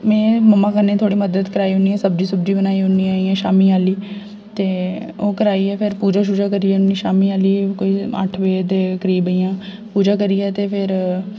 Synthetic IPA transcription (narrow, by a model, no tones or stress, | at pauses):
mɛ̃ːməmːãːkənẽːt̪ʰoːɽiːməd̪əd̪kəɾaːiːɦʊniːɛ̃ːsəbd͡ʒiːsəbd͡ʒiːbənaːiːɦʊniːaːiːɛ̃ːʃaːmiːaːliː | t̪eː | oːkəɾaːiːɛːpʰɪɾpuːd͡ʒaːʃ̬ʊd͡ʒaːkəɾiɛːnːĩːʃaːmiːaːliːkoːiːa̰ʈʰʋeːt̪eːkəɾiːbəiːãː | puːd͡ʒaːkəɾiːɛːt̪eːpʰɪɾ